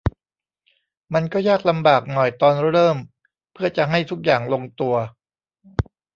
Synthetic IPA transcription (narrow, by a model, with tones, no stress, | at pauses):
ma˧nkɔː˥˩jaː˥˩k̚la˧mbaː˨˩k̚nɔ˨˩jt̪ɔː˧nɾɤː˥˩m | pʰɯ˥˩ɐt͡ɕa˨˩ɦa˥˩jt̪ʰu˦˥k̚jaː˨˩ŋlo˧ŋt̪u˧ɐ